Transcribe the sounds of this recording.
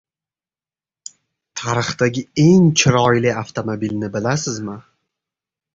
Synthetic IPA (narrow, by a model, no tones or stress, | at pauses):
t̪ʰaɾɨχt̪aɡʲɪe̞ŋt͡ʃʰɪɾɒjlɪaft̪ʰomobilnɪbɪlasɪzmɪ